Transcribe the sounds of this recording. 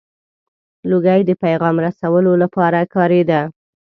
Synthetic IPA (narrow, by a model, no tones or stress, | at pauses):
loɡajd̪əpajɣɑmɾasawəlolapɑɾakɑɾed̪a